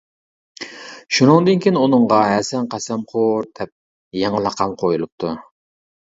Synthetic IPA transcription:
ʃunɨŋd̪ɨnkʲʰinunɨɴʁɑɦæsɛnqæsɛmqʰoɾd̪̥ɛp̚ | jɑŋɑlˠɑqʰɑmqʰojulˠup̚t̪ʰu

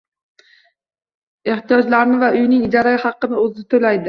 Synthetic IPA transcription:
e̞ht̪ʰijɒd͡ʒlaɾnɪvaʔʊjnɪŋɪd͡ʒɒɾajhɑqːɨnɪozɪɪt̪ʰolajd̪ɪ

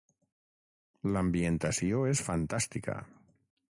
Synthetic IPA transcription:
laambjent̪asjoesfant̪ast̪ika̰

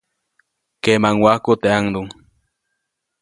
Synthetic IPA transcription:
kemaŋwakot̪eaŋd̪uŋ

